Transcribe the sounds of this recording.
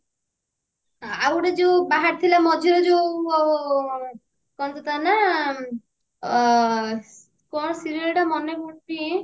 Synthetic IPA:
awɽed͡ʒewbaɦaɾt̪ʰilamɔd͡ʒʱiɾɔd͡ʒew | kɔnt̪ɔt̪ana | kɔnɔsiɾiɔɾʈamɔnekuɽpi

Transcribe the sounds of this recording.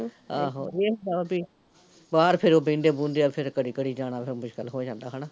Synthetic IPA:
aːɦo̰ːeːɦnd̪aːbiː | baːɾpʰɪɾoːbĩːɳɖ̪eːbũːnd̪eːaːpʰɪɾkəɽiːkəɽiːd͡ʒaːɽ̃aːpʰɪɾmʊʃkəlɦoːd͡ʒãːnd̪aːɦənaː

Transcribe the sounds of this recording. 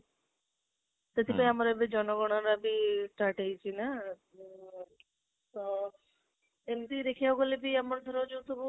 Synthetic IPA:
t̪et̪ʰipaiamaɾebid͡ʒɔnɔɡɔɽ̃aɾabiʈaʈejt͡ʃʰina | t̪ɔ | emt̪iɾekʰiaɡolebiamɔɾd̪ʱɔɾod͡ʒut̪obu

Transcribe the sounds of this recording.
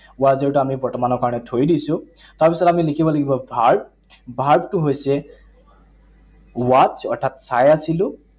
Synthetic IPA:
wazɔɹtuamibɔɹtɔmanɔɹkaɹɔnɛtʰojdisʊ̃ | taɹpisɔtamilikʰibɔlaɡibɔbʱaɹb̚ | bʱaɹb̚tʊɦojsɛ | wat͡ʃɔɹtʰatsajasilʊ̃

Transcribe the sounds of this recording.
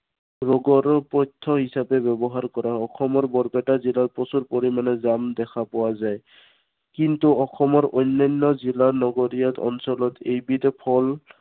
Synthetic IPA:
ɹɔɡɔɹɔpɔjtʰːɔɦisabɛbɛbɔɦaɹkɔɹaɔxʰɔmɔɹbɔɹbɛtazilaɹpɔsuɹpoɹimanɛzamd̪ɛkʰapɔwazaj | kintuɔxɔmɔɹʔojnːɔjnːɔzilaɹnɔɡoɹijat̪ɔ̰nsɔlɔtejbitɛpʰɔl

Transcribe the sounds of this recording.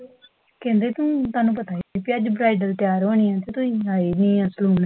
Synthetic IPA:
kɛ̃ːnd̪eːt̪ũːt̪ʊaːnũːpət̪aːpiəd͡ʒbɾaːɪɖəlt̪ɪjaːɾɦoːɳiːãːt̪eːt̪ʊsĩːɦaiːniːasluːn

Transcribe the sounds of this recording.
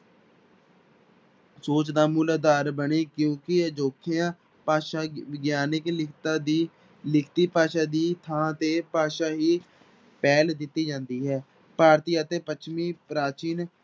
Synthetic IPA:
soːt͡ʃd̪aːmulaːd̪aːɾbəɳeːkjõːkɪəd͡ʒoːkʰɪjãː | paːʃaːʋɪɡjaːnɪklɪkʰt̪aːd̪iː | lɪkʰt̪iːpaːʃaːd̪iːt̪ʰãːt̪eːpaːʃaːɦiː | pɛːld̪ɪt̪ːiːd͡ʒãːnd̪iːɦɛː | paːɾt̪iːat̪eːpət͡ʃʰmiːpɾaːt͡ʃiːn

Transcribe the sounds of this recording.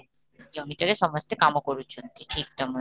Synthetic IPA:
d͡ʑomiʈaɾeʃɔmost̪ekamokoɾut͡ɕʰont̪iʈʰik̚ʈɔmo

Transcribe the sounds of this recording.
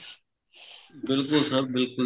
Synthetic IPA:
bɪlkʊlsəbɪlkʊ

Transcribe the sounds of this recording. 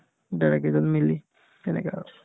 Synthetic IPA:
daɹɛkɛzɔnmili | tɛnɛ̰kɛaɹ

